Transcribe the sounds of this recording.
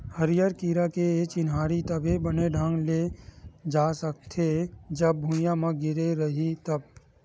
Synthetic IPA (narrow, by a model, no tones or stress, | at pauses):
həɾɪjəɾkiːɾakeet͡ʃɪnɦaːɾit̪əbʱebəneɖʱãŋɡled͡ʒasək̚t̪ʰed͡ʒəbːʱũjãmãɡɪɾeɾəɦit̪əb